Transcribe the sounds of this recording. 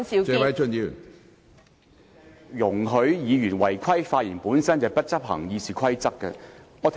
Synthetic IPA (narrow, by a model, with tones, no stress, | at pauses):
t͡ʃɛ˨˧wɐ˨˥jt͡ʃʰɵ˥nji˨˧y̰˨˩n | jʊ˨˩ŋɦɵ˨˧˥ɥjiː˨˧jyː˨˩nwɐ˨˩jkʷʰɐ˥jfaː˧t̚jiː˨˩npuː˨˥nsɐ˥nt͡sɐ˨˧jpɐ˥t̚t͡sɐ˥p̚hɐ̰˨˩ŋjiː˨˧siː˨˩kʷʰɐ˥jt͡sɐ˥kːɐ˧ŋɔː˨˧t̪ʰ